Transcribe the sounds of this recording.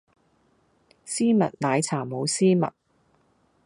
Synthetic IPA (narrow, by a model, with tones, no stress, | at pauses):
siː˥mɐ̰˨t̚naː˨˧jt͡sʰaː˨˩mo˨˧wsiː˥mɐ̰˨t̚